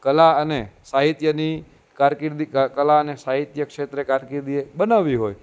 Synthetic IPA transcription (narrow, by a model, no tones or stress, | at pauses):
kəlaənesaɦit̪jəni | kaɾkiɾd̪iəkəlaənesaɦit̪jəkʃet̪ɾekaɾkiɾd̪iebənaʋiɦoj